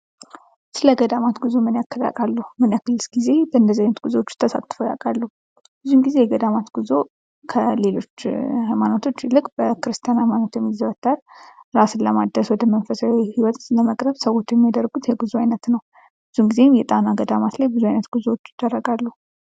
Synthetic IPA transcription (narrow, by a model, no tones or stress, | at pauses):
sɨləɡəd̪amat̪ɡuzomɨnjakːəla̰kʼalːuhmɨnjakɨlːɨsɡ̥ize̞bəɨnd̪əziajnət̪ɡuzowot͡ʃːt̪ʰəsa̰t̪ʼːfoja̰kʼalːuh | bɨzumɡize̞jɛɡəd̪amat̪ɡ̥uzo̞ | kʰəle̞lo̞t͡ʃːhajmanot̪ʰo̞t͡ʃːlɨkʼb̥əkɨɾɨst̪ʰijanhajmanot̪jɛmːizəβət̪ʰːalɾasɨlːəmad̪əswɔd̪əmənfəsaihiwɔt̪ləməkʼɾəβsəwo̞t͡ʃːjɛmːijad̪ərɡut̪jɛɡɨzuajnət̪nəw | bɨzumɡize̞mjɛt̪ʼanaɡəd̪amat̪lajbɨzuajnət̪ɡ̥uzowot͡ʃːɪd̪̥ərːəɡalːu